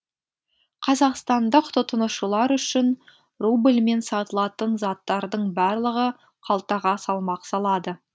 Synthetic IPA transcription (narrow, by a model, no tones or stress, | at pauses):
qʰɑzɑqst̪ɑnd̪əqt̪ʰʊt̪ənəʃəlˠɑɾʏʃɪn | rublme̞nsɑt̪əlˠɑt̪ənzɑt̪ːɑɾd̪əɴbɑɾlˠəʁə | qʰɑlˠt̪ɑʁɑsɑlˠmɑqsɑlˠɑd̪ə